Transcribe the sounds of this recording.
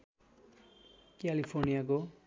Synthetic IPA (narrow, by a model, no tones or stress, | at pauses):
kjalipʰornijak̬o